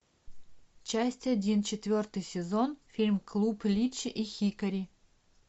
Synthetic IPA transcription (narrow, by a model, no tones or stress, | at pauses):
t͡ɕasʲtʲadʲint͡ɕɪt̪vʲort̪ɨjsʲɪzonfʲilʲmklˠuplʲit͡ɕʔixʲikɐɾʲi